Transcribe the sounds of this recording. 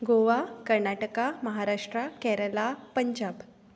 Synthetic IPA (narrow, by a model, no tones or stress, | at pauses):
ɡoʋakəɾɳaʈəkaməɦaɾaʂʈɾakɛɾəlapəɲd͡ʑab